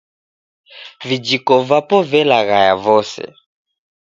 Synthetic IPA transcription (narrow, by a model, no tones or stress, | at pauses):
vid͡ʒikɔvapɔvɛlaɣaja̰vɔsɛ̰